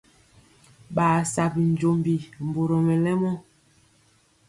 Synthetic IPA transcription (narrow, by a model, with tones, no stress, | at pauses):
ɓaː˨sa˨bi˨n˦d͡ʒo˨mbi˨m˨bo˨ɾo˨mɛ˨lɛ˦mɔ˦